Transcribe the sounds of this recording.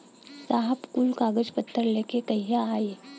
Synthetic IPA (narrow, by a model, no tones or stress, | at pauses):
saɦəbkulkaːɡəd͡ʒpət̪ʰːəɾlekekəɦijaːeː